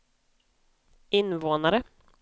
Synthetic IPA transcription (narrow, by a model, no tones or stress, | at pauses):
ɪnvoːnaɾə